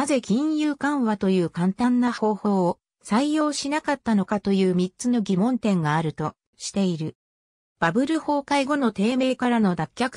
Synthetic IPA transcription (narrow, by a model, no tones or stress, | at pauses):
naze̞kʲĩɰ̃jɯ̟ːkãɰ̃βat̪o̞jɯ̟ːkãnt̪ãnːaho̞ːho̞ːo | saijo̞ːɕinakat̪ːano̞kat̪o̞jɯ̟ːmʲitt͡sɨno̞ɡʲimõ̞nt̪ẽ̞ŋɡaːɾɯ̟t̪o̞ | ɕi̥t̪e̞iɾɯ̟ | b̥abɯ̟ɾɯ̟ho̞ːkaiɡo̞no̞t̪e̞ːme̞ːkaɾano̞d̪akʲːakɯ̥